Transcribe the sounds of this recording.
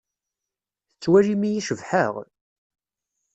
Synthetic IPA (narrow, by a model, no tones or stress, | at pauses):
θət͡sːwæʒimijiʃəvħəʁ